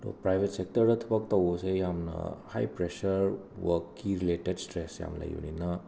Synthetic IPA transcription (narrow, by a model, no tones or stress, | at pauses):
to̰pɾajbʱetsek̚tɐɾdɐt̪ʰɐbɐk̚tɐwosejamnɐ̰hajpɾesɐɾ | wɐkːiɾiletedstɾesja̰mlɐ̰jṵninɐ